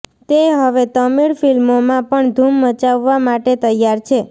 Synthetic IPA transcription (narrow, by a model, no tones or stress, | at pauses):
t̪eɦəʋet̪əmiɭfilmomãpəɳd̪ʱumːət͡ʃaʋːamaʈet̪əjːaɾt͡ʃʰe